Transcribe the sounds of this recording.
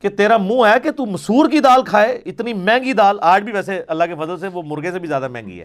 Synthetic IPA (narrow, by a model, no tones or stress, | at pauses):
ket̪eːɾaːmũːɛːket̪uːməsuːɾkiːd̪aːlkʰaːeːɪt̪niːmɛ̃ːŋɡiːd̪aːlaːʈbʱiːʋɛːseəlːaːkefəzəlseʋoːmʊɾɡeːsebizjaːd̪aːmɛ̰̃ːŋɡḭːɛ̰ː